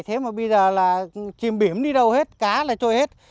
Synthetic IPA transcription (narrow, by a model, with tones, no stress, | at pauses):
jt̪ʰe˨˦maː˨˩ɓə˧jzəː˨˩laː˨˩t͡ɕi˨˩mɓi˧˩əmɗi˧ɗə˧whe˦˥t̚kaː˨˦laː˨˩t͡ɕo˧jhe˦˥t̚